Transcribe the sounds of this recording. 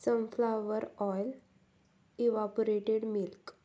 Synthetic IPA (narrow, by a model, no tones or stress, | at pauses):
sə̃mflaʋəɾɔjl | iʋapoɾeʈeɽmilk